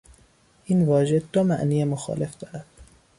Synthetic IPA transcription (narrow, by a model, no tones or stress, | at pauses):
ʔinvɒːʒe̞d̪omæ̰ʔniːemoxɒ̰ːle̞fd̪ɒːɾæd̪̥